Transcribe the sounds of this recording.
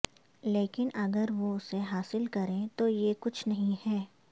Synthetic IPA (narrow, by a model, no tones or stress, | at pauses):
leːkɪnɐɡəɾʋoʊseɦaːsɪlkɐɾẽt̪ojekʊt͡ʃʰnɐɦĩɦɛː